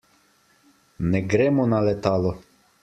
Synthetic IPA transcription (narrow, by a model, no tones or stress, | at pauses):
nɛɡɾɛːmɔnalɛt̪aːlɔ